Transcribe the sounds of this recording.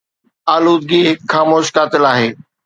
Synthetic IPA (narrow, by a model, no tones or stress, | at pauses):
aːluːd̪̚ɡiɦɪkxaːmoːʃkaːt̪ɪlaːɦeː